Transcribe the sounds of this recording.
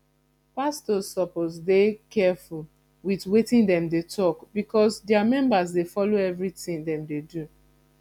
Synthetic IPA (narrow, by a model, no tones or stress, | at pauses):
pastɔsːɔposdekɛful | witwetĩndɛ̃mdetʰɔkbikʰɔsdɛamɛ̃mbas̬defɔloɛvɹitĩŋdɛ̃mdedu